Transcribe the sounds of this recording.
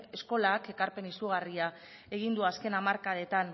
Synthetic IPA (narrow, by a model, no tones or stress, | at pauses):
esko̞lake̞kaɾpe̞nisuɣ̞aria | e̞ɣ̞ind̪uaske̞namaɾkaðe̞t̪an